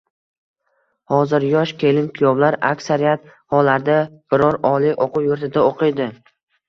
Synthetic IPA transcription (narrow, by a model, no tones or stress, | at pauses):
hɒzɪɾjɒʃkʲʰe̞lɪmkʲʰʊjɒblaɾakʲsaɾijat̪ | hɒlaɾd̪ab̥ɪɾɒɾɒliʔoqʰʊwjʊɾt̪ʰɪd̪aoqʰɨjd̪ɪ